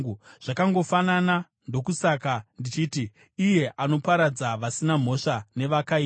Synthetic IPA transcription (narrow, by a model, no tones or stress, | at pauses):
ʐ̥akaŋɡo̞fanana | ndo̞kusakandit͡ʃiti | ije̞ʔano̞paɾad͡zaʋasinam̤o̞ʂane̞ʋakai